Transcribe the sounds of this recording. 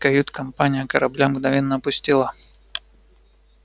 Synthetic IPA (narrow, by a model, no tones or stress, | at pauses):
kɐjut̪kɐmpanʲɪjəkɐɾɐblʲamɡnɐvʲɛnːɐːpʊsʲtʲilˠɐ